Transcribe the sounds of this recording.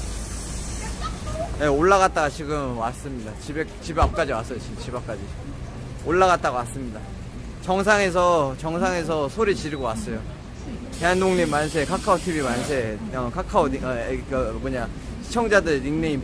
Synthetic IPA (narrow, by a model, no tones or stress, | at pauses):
jeoɭːaɣat̚t͈aɣat͡ɕiɡɯmwas͈ɯmɲidat͡ɕibet͡ɕibap̚k͈ad͡ʑiwas͈ʌjot͡ɕit͡ɕibap̚k͈ad͡ʑi | oɭːaɣat̚t͈aɡowas͈ɯmɲida | t͡ɕʌŋs̬ʰaŋe̞s̬ʰʌt͡ɕʌŋsʰaŋe̞sʰʌsʰoɾit͡ɕiɾɯɡowas͈ʌjo | teandoŋɲimːans̬ʰe̞kʰakʰaotʰibimans̬ʰe̞ʌkʰakʰaoikamoɲa | ɕʰi̥t͡ɕʰʌŋd͡ʑadɯɾɾiŋnei